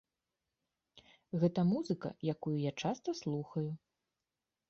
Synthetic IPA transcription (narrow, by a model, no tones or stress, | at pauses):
ɣɛt̪ɐmuzɨkɐ̰jakujujat͡ʂast̪ɐslˠuxɐju